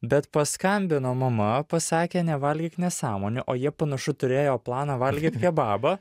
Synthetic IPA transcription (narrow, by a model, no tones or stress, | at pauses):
bʲɛt̪pɐskɐmʲbʲɪnoːmɐmɐpɐsɑːkʲeːnʲɛʋɐlʲɡʲɪːt̪nʲɛsɑːmoːnʲɪʔoːjiɛpɐnɐʃʊt̪ʊɾʲeːjoːplˠɑːnɑʋɐlʲɡʲit̪pʲiɛbɑːbɐ